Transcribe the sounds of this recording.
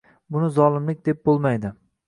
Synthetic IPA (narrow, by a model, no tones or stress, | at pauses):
bʊnɪzɒlˠɪmlɪk̚ʲd̪e̞p̚bolˠmajd̪ɪ